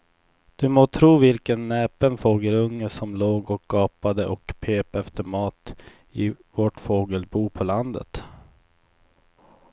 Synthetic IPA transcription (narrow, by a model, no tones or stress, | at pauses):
d̪̥ɵmoːt̪ʰɾuːvɪlkənːɛːpənfoːɡəlɵŋːəʂɔmloːɡɔkːɡɑːpad̪əʔɔkpʰeːpɛft̪əɾmɑːt̪ | ɪvoːʈfoːɡəlbuːpʰɔland̪ə̰t̪